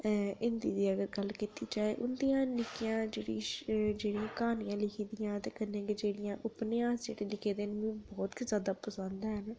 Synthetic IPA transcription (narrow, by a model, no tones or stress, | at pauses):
ɪnd̪iːd̪iːəɡəɾɡəlkiːt̪iːd͡ʒaːḛːʔʊnd̪ijãːnɪkijãːd͡ʒeːɽiːd͡ʒeːɽijãːkaːnijãːlɪkʰiːd̪ijãːt̪eːkənːẽːkd͡ʒeːɽɪjãːʔʊpneãːsd͡ʒeːɽeːlɪkʰeːd̪eːnmĩːbɔːt̪zjaːd̪aːpəsənd̪ɦɛn